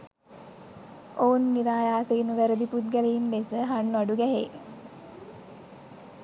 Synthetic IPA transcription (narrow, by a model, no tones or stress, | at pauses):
oːnːiɾaːjaːsenuʋæɾəd̪iput̪ɡæleinlesəɦanːʋaɖuɡæɦe